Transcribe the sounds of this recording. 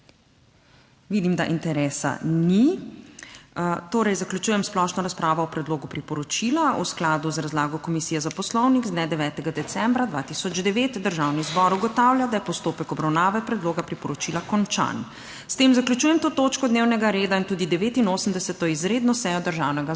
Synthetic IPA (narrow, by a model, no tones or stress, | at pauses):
ʋiːd̪imd̪aʔint̪ɛɾɛːsa̰ni | t̪oːɾɛjzaklut͡ʃuːjɛmsplɔʃnɔɾaspɾaːʋɔɔpɾɛd̪loːɡupɾipɔɾɔt͡ʃiːlausklaːd̪uzɾazlaːɡɔkɔmisijɛzapɔslɔwniɡzd̪nɛd̪ɛʋɛːt̪ɛɡad̪ɛt̪sɛmbɾad̪ʋaːt̪isɔd͡ʒd̪ɛʋet̪d̪əɾʒaːwnizbɔɾuɡɔt̪awljad̪ajɛpɔst̪oːpɛkɔbɾawnaːʋɛpɾɛd̪loːɡapɾipɔɾɔt͡ʃiːlakɔnt͡ʃa̰n | st̪eːmzakljut͡ʃuːjɛmt̪oːt̪oːt͡ʃkɔd̪neːwnɛɡaɾeːd̪aint̪uːd̪id̪ɛʋeːt̪inoːsəmd̪ɛsɛt̪ɔizɾeːd̪nɔsɛjɔd̪əɾʒawnɛɡa